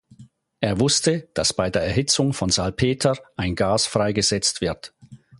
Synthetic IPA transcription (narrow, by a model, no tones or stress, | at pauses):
ʔeːɐvʊstəd̥asb̥aɪdeːɐɛɐhɦɪt͡sʊŋfɔnzalpʰeːtʰɐʔaɪnɡaːsfʁ̥aɪɡəz̥ɛt͡stv̥ɪɐt